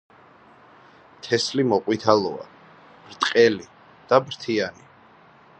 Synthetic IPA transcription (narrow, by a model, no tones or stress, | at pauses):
t̪ʰɛslimɔqʼwit̪ʰalˠɔa̰ | b̥ɾt̪ʼqʼɛli | d̪̥abɾt̪ʰiani